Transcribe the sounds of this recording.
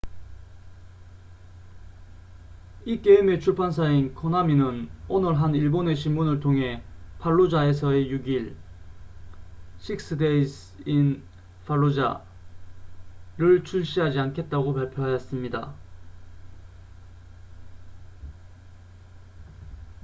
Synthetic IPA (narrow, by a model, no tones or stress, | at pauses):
ik͈eime̞t͡ɕʰuɭpʰansʰainkʰonaminɯnonɯɭɦaniɭbone̞ɕ̬ʰinmunɯɭtʰoŋɦe̞pʰaɭːod͡ʑae̞s̬ʰʌejuɡiɭ | ɕʰik̚s͈ɯdeis | in | pʰaɭːod͡ʑa̰ | ɾɯɭt͡ɕʰuɭɕ͈iɦad͡ʑiankʰe̞t̚t͈aɡopaɭpʰjoɦajʌs͈ɯmɲida̰